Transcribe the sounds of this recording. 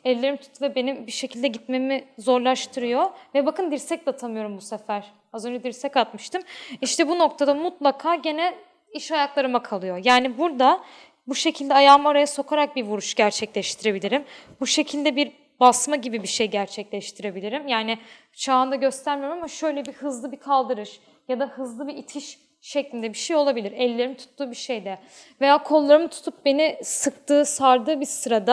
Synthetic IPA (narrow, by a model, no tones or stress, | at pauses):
ɛllʲːeɾimt̪ʰy̥t̪ʰvɛbe̞nimbiʃe̞cʰilʲd̪ɛɟit̪memizo̞ɾlˠaʃt̪ʰɯɾɯjo̞vɛbakɯnd̪iɾsɛc̚d̪at̪ʰamɯjo̞ɾumbusefæɾ̥ | azønd͡ʒɛd̪iɾsɛcat̪mɯʃt̪ʰɯmiʃt̪ʰɛbuno̞k̚t̪ʰad̪amut̪lˠakʰaːɟe̞nɛ | iʃajaklˠaɾɯmakʰalˠɯjo̞jaːnibuɾd̪a | buʃe̞cʰilʲd̪ɛajaːmaɾajaso̞kʰaɾak̚biɾvuɾuʃɟæɾt͡ʃʰɛclʲɛʃt̪ʰiɾe̞bilʲiɾimbuʃe̞cʰilʲd̪ɛbiɾ | basmaɟibibiʃejɟæɾt͡ʃʰɛclʲɛʃt̪ʰiɾe̞bilʲiɾimjaːnɪ | t͡ʃʰaːɯnd̪aɟø̞st̪ʰæɾmiɾmamaʃø̞jlʲɛbihɯzlˠɯbikʰalˠd̪ɯɾɯʃ | jad̪ahɯzlˠɯbiːt̪ʰiʃ | ʃɛclʲind̪ɛbiʃejo̞lˠabilʲiɾɛlʲːe̞ɾimit̪ʰu̥t̪ʰːuːbiʃejd̪ɛ | ve̞jaːkʰo̞lˠːaɾɯmɯt̪ʰu̥t̪ʰup̚be̞nisɯkt̪ɯːsaɾd̪ɯːbisɯɾad̪a